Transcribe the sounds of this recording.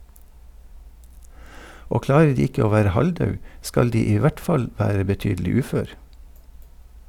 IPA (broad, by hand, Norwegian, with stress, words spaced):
ˈoː ˈklɑːɾə ˈɖiː ˈɪkə ˈoː ˈʋæːɾə ˈhɑlˌdɑʉ ˈskɑl ˈdiː ˈiː ˈʋæʈ ˈfɑl ˈʋæːɾə bəˈtyːdlɪ ˈʉːføːɾ